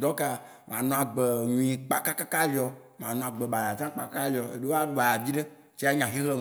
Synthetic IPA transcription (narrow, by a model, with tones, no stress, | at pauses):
d̪ɔ˦ka˦ | m˨ã˨nɔ̃˨a˨ɡ͡be˨ɲũ˨ĩ˨k͡pa̰˦ka˦ka˦ka˦li˨ɔ˨ | m˨ã˨nɔ̃˨a˨ɡ͡be˨ba˨ja˨t͡ʃã˦k͡pa˨ka˦a˦li˨ɔ˨ḛ˨ɖe˦wo˦a˦ɖu˦˨a˨ja˨vi˦ɖe˦ | t͡ʃi˦a˦ɲã˨ɦi˦ɣle˦